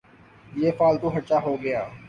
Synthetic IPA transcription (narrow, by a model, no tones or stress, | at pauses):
jeːfaːlt̪ũːɦɐʈt͡ʃaːɦoːɡɐjaː